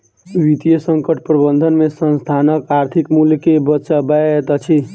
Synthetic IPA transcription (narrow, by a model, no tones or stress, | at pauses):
ʋit̪ijəsəŋkəʈʰpɾəbənd̪ʱənmesə̃nst̪ʰanəkaɾt̪ʰikmuljkebətːʃabaet̪ət͡ʃʰi